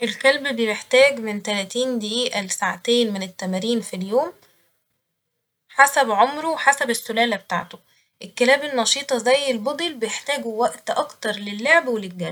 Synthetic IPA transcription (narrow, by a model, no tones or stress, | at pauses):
ʔelkælbbejeħt̪æːɡment̪ælæt̪iːnd̪eʔiːʔælsaʕat̪eːnmenet̪ːæmæɾiːnfiljoːm | ħasæbʕomɾowħasæbesːolæːlæbet̪a̰ʕt̪o | ʔelkːelæːbenːɑʃiːt̪ˤɑzæjːelbod̪ˤilbejeħt̪æːɡuwæʔt̪ʔɑkt̪ɑɾˤlelːoʕbwelelɡæl